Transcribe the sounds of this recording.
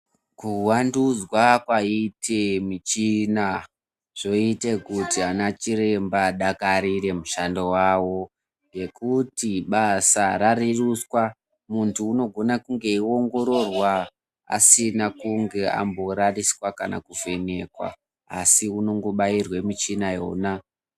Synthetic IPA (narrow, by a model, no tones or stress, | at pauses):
kuwandud͡zwakwaitʰemit͡ʃina | ʐ̥o̞ite̞kutianat͡ʃiɾe̞mbaɗakaɾiɾe̞muʃando̞wawo̞ | ŋɡe̞kutiɓasaɾariruswa | muntʰuːno̞ɡʱo̞nakuŋɡe̞io̞ŋɡo̞ɾo̞rwa | a̰sinakuŋɡe̞a̰mbo̞ɾariswakana̰kuve̞ne̞kwa̰ | asiuno̞ŋɡo̞ɓairwe̞mit͡ʃinajo̞̰na